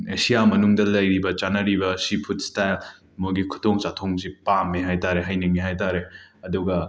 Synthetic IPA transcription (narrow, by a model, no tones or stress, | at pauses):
esijamɐnuŋdɐlɐjɾibɐt͡ʃanɐɾibɐsipʰut̚stajl | moɡikʰu̥toŋt͡ʃatʰoŋzipamːiɦajtaɾeɦajnɐɡiɦajtaɾeɐduɡɐ